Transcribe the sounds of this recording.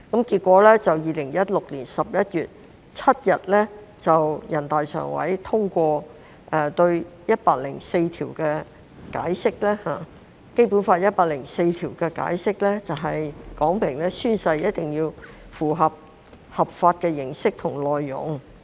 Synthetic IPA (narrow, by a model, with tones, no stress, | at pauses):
kɐ˨˥mkiː˧t̚kʷɔː˨˥lɛː˥t͡sɐ˨wjiː˨lɪ˨˩ŋjɐ˥t̚lʊ˨k̚liː˨˩nsɐ˨p̚jɐ˥t̚jyː˨t̚ | t͡sʰɐ˥t̚jɐ˨t̚lɛ˥t͡sɐ˨wjɐ˨˩nt̪aː˨jsœ̰ː˨˩ŋwɐ̰˨˥jt̪ʰʊ˥ŋkʷɔː˧ | ʔɛ˨˧t̪ɵ˧ɥjɐ˥t̚paː˧k̚lɪ˨˩ŋse˧jt̪ʰiː˨˩wkɛː˧ | ka̰ː˨˥jsɪ˥k̚lɛː˥haː˨˩ | ke˥jpu˨˥nfaː˧t̚jɐ˥t̚paː˧k̚lɪ˨˩ŋse˧jt̪ʰiː˨˩wkɛː˧ka̰ː˨˥jsɪ˥k̚lɛː˥t͡sɐ˨wɦɐ˨jkɔː˨˥ŋpɪ˨˩ŋlɛː˥syː˥nsɐ˧jjɐ˥t̚t̪ɪ˨ŋjiː˧w | fuː˨˩ɦɐ˨p̚ | hɐ˨p̚faː˧t̚kɛː˧jɪ˨˩ŋsɪ˥k̚t̪ʰʊ˨˩ŋlɔː˨jːʊ̰˨˩ŋ